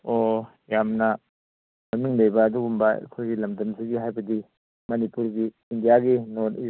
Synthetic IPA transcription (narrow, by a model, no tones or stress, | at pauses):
o | jamnɐ | mɐmiŋlejbɐːduɡumbɐ̰kʰojɡilɐmdɐmsʰiɡiɦajbɐdi | mɐnipuɾɡiː | ndijaɡinoni